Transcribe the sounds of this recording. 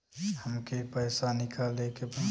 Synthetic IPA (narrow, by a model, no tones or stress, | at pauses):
həmkepəjsanikʰalːekep